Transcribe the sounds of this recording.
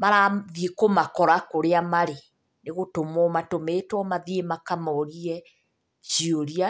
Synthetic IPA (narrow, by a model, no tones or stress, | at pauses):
maɾaðiekomakɔɾakoɾeamaɾe | neɣotomɔmatomeːtwɔmaðiemakamɔɾiɛ | t͡ʃioɾia